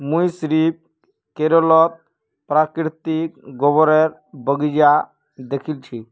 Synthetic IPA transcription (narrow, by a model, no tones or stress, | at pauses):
mũjsɾip̚ | keɾɔlɔt̪̚ | pɾakɾit̪ikɡɔbɔɾeɾ | bəɡid͡ʒa | d̪ekʰilt͡ʃʰi